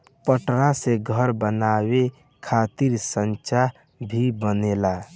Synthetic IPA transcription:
pəʈɾasẽɡʱəɾbənawe | kʰat̪iɾsənt͡ʃaɦ | bʱibənela

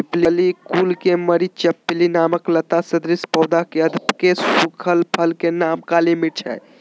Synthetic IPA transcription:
iplilikuːlkeməɾit͡ʃəpːilinaːməklət̪asəd̪ɾispɔːd̪akeəd̪ʱpkesukʰəlpʰəlkenaːmkaːlimiʈʰɛ̰j

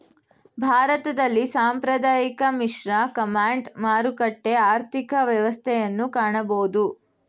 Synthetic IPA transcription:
bʱaːɾɐt̪ɐd̪ɐlːisaːmpɾɐd̪aːjikɐmiʂɾɐkɐmaːɳɖmaːɾukɐʈːeaːɾt̪ʰikɐʋjɐʋɐst̪ʰɛjɐnːukaːɳɐboːd̪u

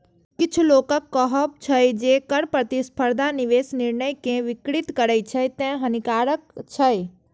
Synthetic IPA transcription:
kɪt͡ʃʰloːkəkːɔɦəp̚t͡ʃʰəjd͡ʒeːkəɾpɾət̪ispʰəɾd̪ʱanɪʋeːsnɪɾnəjkẽʋɪkɾɪt̪kəɾət͡ʃʰəjt̪ẽɦɐnikaːɾəkt͡ʃʰəj

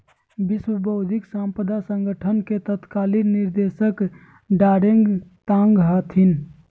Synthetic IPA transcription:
bɪswəbəʊd̪ʱiksãmpəd̪asə̃ŋɡəʈʰənket̪ət̪kaːlinnːɪɾd̪eːsək | ɖaːɾeŋɡt̪ãŋɡɦat̪ʰin

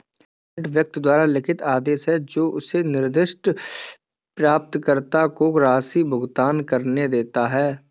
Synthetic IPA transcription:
ʈwjək̚t̪d̪waːɾalɪkʰɪt̪aːd̪eːʃɦɛd͡ʒoːʔʊsenɪɾd̪ɪʃʈ | pɾaːp̚t̪kəɾt̪akoɾaːsibʱʊɡt̪aːnkəɾned̪eːt̪aɦɛː

